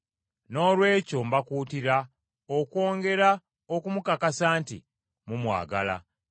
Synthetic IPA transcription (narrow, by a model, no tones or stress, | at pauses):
no̞ːlwe̞ːco̞mbakuːtiɾa | okwo̞ːŋɡe̞ɾa | okumukakasaːntḭ | mumwa̰ːɡa̰la̰